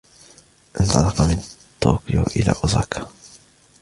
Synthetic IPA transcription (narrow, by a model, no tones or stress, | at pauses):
ʔɪnt̪ˤɑlɑqɑmɪnt̪ːo̰ːkɪjoʔɪla̰ːʔʊzˤaːkʰḁ